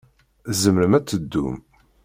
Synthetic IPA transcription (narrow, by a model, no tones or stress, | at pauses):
zəmɾəmæt͡sːəd̪ːṵm